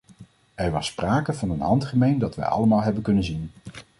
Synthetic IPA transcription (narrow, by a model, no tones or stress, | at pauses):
ɛɹʋɑspraːkəvɑnənɦɑntχəmejndɑtʋɛ̰jɑ̰ləmaːlˠɦɛbənkɵnənzin